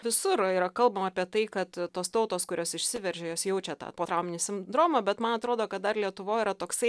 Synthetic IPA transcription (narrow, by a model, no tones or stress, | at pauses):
ʋʲɪsʊɾiːɾɐkɐlˠbɐmɐːpʲiɛt̪ɐɪkɐt̪t̪oːst̪ɐʊt̪oːskʊɾʲoːsɪʃʲsʲɪʋʲɛrʲʒʲɛjoːsjɛʊt͡ʃʲɛt̪ɑ̰ːpoːt̪ɾɐʊmʲɪnʲisʲɪmd̪ɾoːmoːbʲɛt̪mɐnɐt̪ɾoːd̪oːkɐt̪̚d̪ɐrlʲiɛt̪ʊʋoːiːɾɐt̪oːksɐɪ